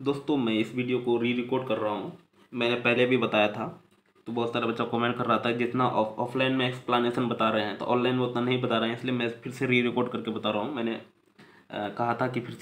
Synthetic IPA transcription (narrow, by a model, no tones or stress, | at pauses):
d̪oːst̪õmɛ̃ɪsʋiːɖijokoɾiːɾɪkoːɾɖ̚kɐɾːɐɦaɦũ | mɛ̃ːnepɛɦlebʱibɐt̪aːjat̪ʰa | t̪obɔːt̪saːɾabɐtːʃakɔːmẽɳʈ̚kɐɾːaɦat̪ʰaɦɛd͡ʒɪt̪naʔɔ̰ːfʰlaːɪnmẽɛːksplaːneːʃənbɐt̪aɾɐɦeɦɛ̃t̪o̰ʔɔ̃ːnlaːɪnmẽʊt̪nanɐɦĩbɐt̪aːɾɐɦɛ̃ɪsliemɛ̃pʰɪɾseɾiɾɪkoːɾɖkɐɾkebɐt̪aːɾaɦũmɛ̃ːne | kɐɦat̪ʰakipʰɪɾs